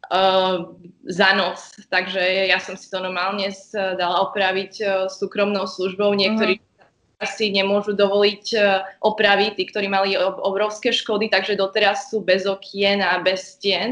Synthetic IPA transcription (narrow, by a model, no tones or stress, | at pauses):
zanɔst̪aɡʒɛjasɔmsi̥t̪ɔnɔɾmaːlɲɛsd̪alaɔpɾaʋicsuːkɾɔmnɔʊsluʒbɔʊɲɪɛk̚t̪ɔɾiː | a | asiɲɛmʊɔʒud̪ɔʋɔlicʔɔpɾaʋit̪iːkt̪ɔɾiːmaliɔbɾɔʊskɛːʃkɔd̪it̪aɡʒɛd̪ɔt̪ɛɾasːuːbɛzɔkʰjɛnabɛscɪɛn